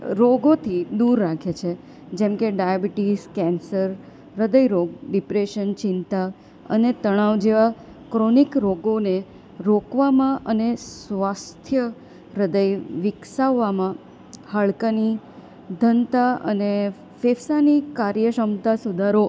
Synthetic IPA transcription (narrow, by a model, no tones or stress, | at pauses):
ɾoɡot̪ʰid̪uɾːakʰet͡ʃʰe | d͡ʒemkeɖajabiʈiskɛnsəɾː | əd̪əjɾoɡ̚ɖipɾeʃənt͡ʃɪnt̪a | ə̰net̪əɽ̃aʋd͡ʒeʋa | kɾonikɾoɡone | ɾokʋamãʔənesʋast̪ʰjə | ɾəd̪əjʋɪksaʋːamã | həɭkəni | d̪ʱənt̪aə̰ne | fefsanikaɾjəʃəmt̪asud̪ʱaɾo